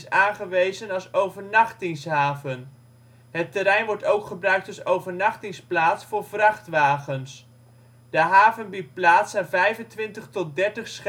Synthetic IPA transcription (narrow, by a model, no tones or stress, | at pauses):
saːnχəʋejzənɑlˠsowvəɹnɑχtɪŋsɦaːvən | ɦətəɾɛjnʋɔɹtowkχəbrœɥk̚tɑsowvəɹnɑχtɪŋsplaːtsfʊːɹvrɑχtʋaːχəns | d̥əɦaːvənbit̚plaːtsaːnvɛjvəntʋɪntəχtɔt̚dɛɹtəχsχ